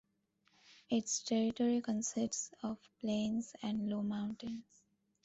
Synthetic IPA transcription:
ɪʈsʈʰɛɾɪʈɔːɾikə̃nsɪsʈsɔʋplẽːnsæ̃ɳɖloːmãʊ̃ɳʈɪ̃ns

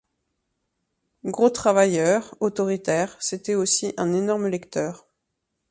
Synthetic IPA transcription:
ɡʁot̪χavajœʁot̪ɔʁit̪ɛʁset̪ɛosiʔɛ̃nenɔʁmlɛkt̪œːʁ

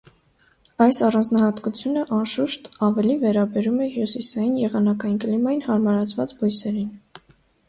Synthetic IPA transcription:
ɑjsɑrɑnd͡znɑhɑt̪kut͡sʰjunəʔɑnʃuʃt̪ɑvɛlivɛɾɑbɛɾumɛhjusisɑjinjɛʁɑnɑkɑjinkəlimɑjinhɑɾmɑɾɑt͡sʰvɑt͡sbɔjsɛɾin

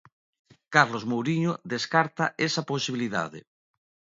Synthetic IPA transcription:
kaɾlozmowɾiɲoðeskaɾt̪aesaposiβiliða̰ðḛ

